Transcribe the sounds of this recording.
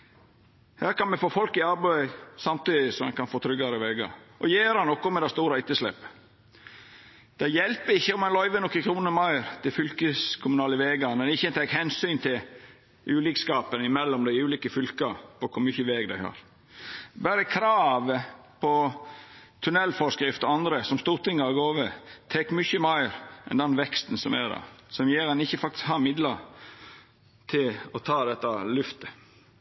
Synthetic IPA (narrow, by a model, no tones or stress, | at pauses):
hæːɾkɑnmɛfoːfɔlkɪɑɾbœɪsɑmt̪yːd̪ɪsɔmɑ̰nkɑnfoːt̪ʰɾʏɡɑɾəʋeːɡɑ̰ʔɔjeːɾhɑnːɔkːɔmɛd̪æɪst̪uːɾɑɪt̪ːəslɛ̰pː | d̪̥æɪjɛlpəɾɪçːəɔmɑnlɔʏʋənɔkːəkʰɾuːnəmɑɪɾt̪ʰɪfʏlkəskʰʊmʉnɑːləʋeːɡɑmɛnɪçːəɛnt̪ʰɛkhɛnsyːnt̪ʰɪl | ʔʉːliːkskɑːpənɪmɛlːɔmd̪æɪʉːliːkəfʏlkɑpʰɔkʰʊɾmʏçəʋeːɡd̪æɪhɑ̰ːɾ | bæːɾəkʰɾɑːʋə | pʰɔ | t̪ʰʉnɛlːfɔɾskɾɪft̪ɔɑnd̪ɾəsɔmst̪uːɾʈ̪ɪŋːɑɑɡoːʋət̪ʰɛkːmʏçəmæɪɾɛ̰nd̪ɛnʋɛkst̪n̩sɔmæ̰d̪ɑ̰sɔmjeːɾɛnɪçːəfɑk̚t̪ɪ̥skhɑːɾmɪd̪ləɾ | t̪ʰɪlɔt̪ʰɑːd̪ɛt̪ːɑlʉft̪ə̥